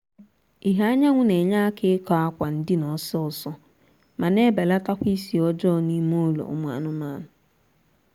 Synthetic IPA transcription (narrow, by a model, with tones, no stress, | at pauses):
i˨ɦa˦ɲa˦ŋʷʊ˦ne˨ɲa˦kʰɪ˦kɔ˨a˦kʷa˨n̩˦dɪ˦nɔ˨sɔ˦sɔ˦ | ma˨ne˦be˨la˦ta˦kʷi˦si˨ɔ˦d͡ʒɔ˦˨ni˦mo˦lo̰˨˦m˨˦a̰˨nʊ˨˦ma̰˦nʊ˨